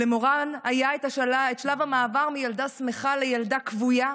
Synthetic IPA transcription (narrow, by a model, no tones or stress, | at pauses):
lemoʁanajaetaʃetʃlavamaːvaʁmijaldasmeχale̞jaldakvuja